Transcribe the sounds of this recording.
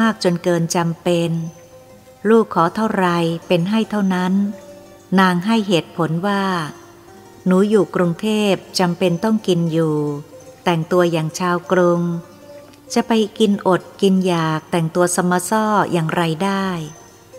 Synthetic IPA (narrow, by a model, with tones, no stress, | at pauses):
aː˥˩k̚t͡ɕo˧nkɤː˧nt͡ɕa˧mpe˧n | luː˥˩kʰːɔː˩˦t̪ʰa˥˩wɾa˧jpe˧nɦa˥˩jt̪ʰa˥˩wna˦˥nː | aː˧ŋɦa˥˩jɦeː˨˩t̪̚pʰo˩˦nwaː˥˩ | nuː˩˦juː˨˩kɾu˧ŋt̪ʰeː˥˩p̚t͡ɕa˧mpe˧nt̪ɔ˥˩ŋki˧njuː˨˩t̪ɛ˨˩ŋt̪u˧ɐjaː˨˩ŋt͡ɕʰaː˧wkɾu˧ŋ | t͡ɕa˨˩pa˧jki˧nʔo˨˩t̪̚ki˧njaː˨˩k̚t̪ɛ˨˩ŋt̪u˧ɐsa˧mːaː˧sɔː˥˩jʔaː˨˩ŋɾa˧jdaː˥˩j